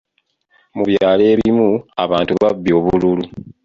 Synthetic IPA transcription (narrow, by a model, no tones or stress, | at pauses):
muβjaːle̞ːβimua̰βaːntuβabːio̞ːβululu